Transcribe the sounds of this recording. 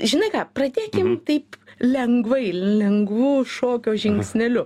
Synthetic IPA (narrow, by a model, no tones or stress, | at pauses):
ʒʲɪnɐɪkɑːprɐd̪ʲeːkʲɪmt̪ɐɪplʲɛŋɡʋɐɪlʲɛŋɡʋuːʃoːkʲoːʒʲɪŋksʲnʲɛlʲʊ